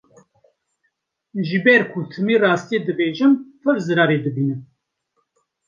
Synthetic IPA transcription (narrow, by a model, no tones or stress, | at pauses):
ʒɨbɛɾkʰut̪ʰɨmiːrɑːst̪ijed̪ɨbeːʒɨmfɨɾzɨɾɑːɾed̪ɨbiːnɨm